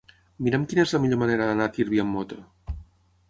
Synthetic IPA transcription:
miɾɛmkinəezləmiʎoməneɾəðənat̪iɾβiəmːot̪o

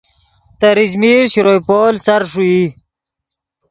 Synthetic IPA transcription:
t̪ɐɾizmiɾɕɾojpoːlsaɾʂui

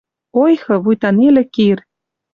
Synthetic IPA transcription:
ojxɤ̆βujt̪ɑnelʲĕkir

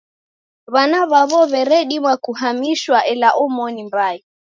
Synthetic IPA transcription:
βanaβaβɔβɛɾɛɗimwakuɦamiʃwaʔɛlaʔɔmɔnimbai

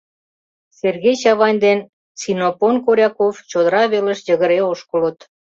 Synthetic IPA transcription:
serɣejɕɑβɑnʲd̪en | t͡sinoponkoɾʲɑkoft͡ɕod̪əɾɑβelə̆ʃjə̆ɣəɾeoʃkələ̆t̪

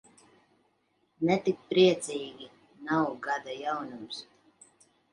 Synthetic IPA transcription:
nɛt̪ik̚pɾiɛt̪sʲiːɡʲi | nawɡad̪ajawnums

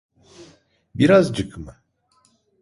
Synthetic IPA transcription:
biɾazd͡ʒɯkmɯ

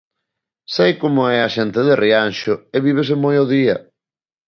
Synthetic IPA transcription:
sejkomʊɛɐʃɛnt̪ɪðɪrianʃʊeβiβ̞esɪmojoðiɐ

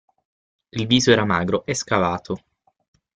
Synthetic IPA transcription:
ilviːzoɛːɾamaːɡɾoʔɛskavaːt̪ʰo

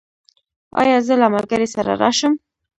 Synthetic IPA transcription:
ɑ̰jɑzəlamalɡaɾesaɾa̰ɾɑʃəm

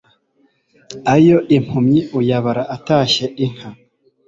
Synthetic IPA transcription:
ajo̞ʔim̥humɲiujaβaɾaʔataːʃeʔiŋ̥ha

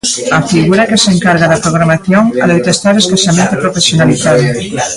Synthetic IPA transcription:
ɐfiɣuɾakeseŋkaɾɣaðɐpɾoɣ̞ɾamaθjoŋalojt̪est̪aɾeskaʃamẽnt̪apɾofesjonaliθaðo

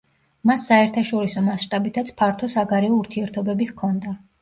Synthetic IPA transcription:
masːaɛɾt̪ʰaʃɔɾisɔmasʃt̪ʼabit̪ʰat̪sʰpʰaɾt̪ʰɔsaɡaɾɛɔuɾt̪ʰiɛɾt̪ʰɔbɛbihkʰɔnd̪a

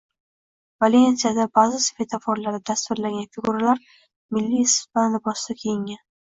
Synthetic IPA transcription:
valʲenʲsijad̪abazɪsve̞t̪ʰafɒɾlaɾd̪ad̪ast̪ʊɾlaŋɡʲanfɪɡʊɾalaɾ | mɪlːispanlɪbɒsd̪akʲʰejɪŋʲan

